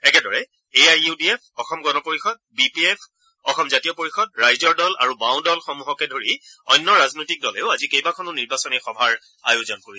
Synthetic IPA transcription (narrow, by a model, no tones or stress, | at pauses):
ɛkɛdɔɹɛ | eajudiɛpʰɔxɔmɡɔnɔpoɹixɔdbipiɛpʰ | ɔxɔmzatijɔpoɹixɔd̚ɹajzɔɹdɔla̰ɹubãwndɔlxɔmuɦɔkɛdʱoɹiɔjnːɔɹaznojtik̚dɔlɛʊazikejbakʰɔnʊniɹbasɔnɛxɔbʱaɹ | ajuzɔnkoɹi